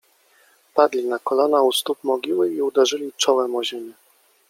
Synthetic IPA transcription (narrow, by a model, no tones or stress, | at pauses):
pad̪lʲinakɔlɔnaust̪up̚mɔɡʲiwɘiud̪ɛʐɘlʲit͡ʂɔwɛmɔʑenɘ